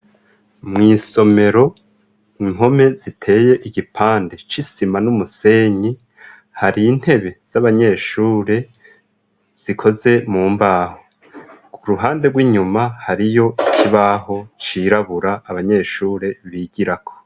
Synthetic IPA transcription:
mŋiːso̞me̞ɾo̞ | iŋo̞me̞zitʰe̞ːje̞ʔiɡipʰaːnde̞t͡ʃisimanumuse̞ɲi | haɾin̥he̞βe̞z̥aβaɲe̞ːʃuːɾe̞ | z̥ikʰo̞ze̞muːmbaːho | kuɾuɦaːndeɡwiːɲumahaɾijo̞ikʰiβaɦo̞t͡ʃiɾaβuɾaːβaɲe̞ʃuːɾe̞βiɟiɾakʰo̞̥

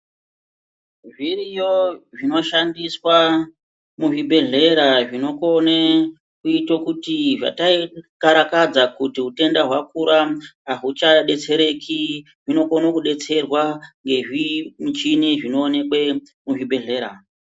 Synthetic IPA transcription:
ʐirijoʐino̞ʃandiswa | muʐibʱe̞ɮe̞ɾaʐino̞kone | kuitokutiʐa̰taikaɾakad͡zakutiɦute̞ndaɦwakuɾaːɦut͡ʃaɗe̞t͡se̞ɾe̞kʰi | ʐino̞konokuɗe̞t͡se̞rwaŋɡe̞ʐimut͡ʃiniʐino̞ːne̞kwe | muʐibʱe̞ɮe̞ɾa

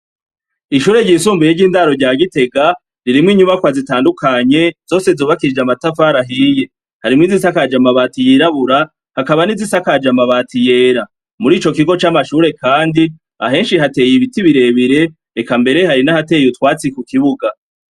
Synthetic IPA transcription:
iʃuːɾe̞ɟiːsuːmbujeɟiːndaɾo̞ɾɟaːɡite̞ɡa | ɾiɾimŋiɲumakwazitaːndukaɲe̞z̥o̞ːse̞zoːβakiɾid͡ʒamatafaːɾaɦije̞ | haɾimŋizisakad͡ʒamaβaːtijiɾaβuɾa | hakaβanizisakad͡ʒamaβaːtije̞ːɾa | muɾiːt͡ʃo̞kiɡo̞t͡ʃaːmaʃuːɾe̞kaːndi | a̰ɦe̞ːnʃihate̞ːjiβitiβiɾe̞βiɾe̞ | ekambe̞ɾe̞haɾinahate̞ːjutwaːt͡sikukiβuɡa

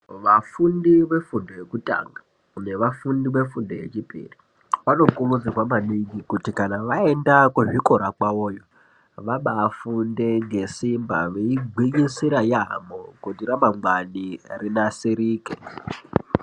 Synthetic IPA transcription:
ʋafundiʋe̞fundo̞jekuta̰ŋɡa | une̞ʋafundiʋe̞fundoje̞̰t͡ʃipʼḭri | ʋano̞kumud͡zirwamaniŋɡikutikanaʋaendakuʐikoɾakwawoːjo | ʋaɓaːfunde̞ŋɡe̞simba̰ʋeiɡʱiɲisiɾaja̰mokudiɾamamwanirinasiɾiːkḛ

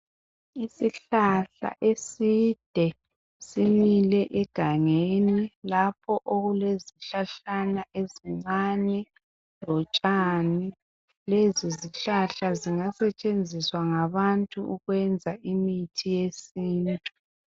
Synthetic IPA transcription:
isiɬaɬa̰ʔesid̥ʱɛ | similɛʔɛɡ̥ʱaŋenilapʰɔʔoɣuleziɬaɬanaʔeziŋ͡ǀaɲɛ | lɔt͡ʃʼaːni | leziziɬaɬaziŋasɛt͡ʃʼend͡zʱiswaŋaβantʼuʔuɣwɛnd͡zʱaʔimitʰijesiːntʼu

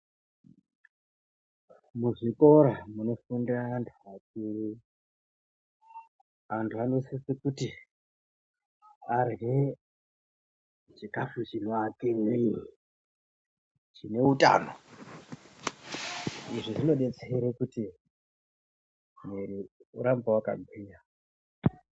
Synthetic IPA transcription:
muʐiko̞ɾamuno̞fundiraːntʰuakiɾi | antʰuano̞sisikuti | arɦe | t͡ʃikafut͡ʃinoakiŋi | t͡ʃine̞uta̰ːno̰ | iʐiʐino̞ɗe̞t͡seɾekuti | meɾiuɾambawaka̰ɡʱwiːja

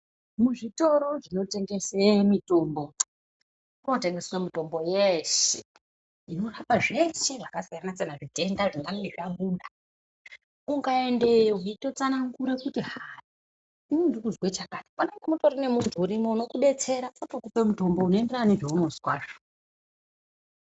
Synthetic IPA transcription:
muʐito̞ɾo̞ʐino̞te̞ŋɡesemito̞mbo̞ | unote̞ŋɡesnomito̞mbo̞jeʃe | ino̞rapaʐeseʐakasijananat͡senaʐite̞ndaʐiŋɡaniʐamuːnda | uŋɡaende̞joɦito̞t͡sanaŋɡuɾekutiɦari | imindikuzwet͡ʃakatiponeŋɡemuto̞ɾine̞muntʰuːɾimouno̞kuɓe̞t͡se̞ɾaapokupemuto̞mbo̞unoendeɾaniʐeunoskwaːʐo̥

